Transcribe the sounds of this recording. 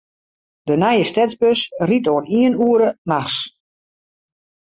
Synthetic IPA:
d̥ənɛjəstɛzbøsritoəniənuəɾənaxs

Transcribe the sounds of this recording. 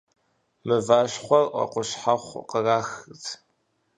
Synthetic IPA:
mɨvaːɕχʷɔrʔɐ̰qʷʊɕħaχʷqəraːxɨtʰ

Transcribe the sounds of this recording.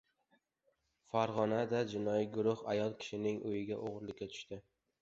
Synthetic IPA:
faɾʁɒnad̪ad͡ʒɪnɒjiɡʊɾʊhajɒlˠkʲʰɪ̥ʃɪnɪŋʔʊjɪɡʲaʔoʁɾlɪkʲːat̪ʰʊ̥ʃt̪ɪ

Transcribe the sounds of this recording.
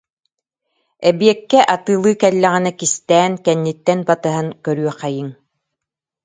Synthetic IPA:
ɛbjɛkːɛʔat̪ɯːlˠɯːkɛlːɛʁɛnɛkist̪ɛːnkɛnːit̪ːɛnbat̪ɯɦaŋkœɾyœqæjiŋ

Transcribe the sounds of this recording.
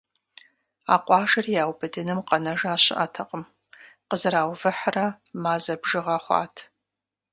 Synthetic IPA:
a̰ːqʷʼɑːʒɐrjaːwbɨdɨnɨmqɐnɐʒaːɕɪ̰ʔɐtʰɐqʼəm | qəzɨɾaːwvɨħrɐ | maːzɐbʒɪʁɐχʷɑ̰ːtʰ

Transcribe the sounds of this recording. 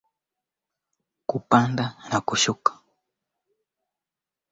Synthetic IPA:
kupand̪anakʊʃʊkḁ

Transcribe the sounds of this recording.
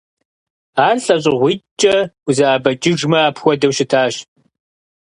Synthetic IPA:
aːrɬʼɐɕ̬ʼɪʁʷiːt͡ʃʼɐuzɐaːbɐt͡ʃʼɪʒmɐaːpʰxʷɔdɐwʃɪtʰaːɕ

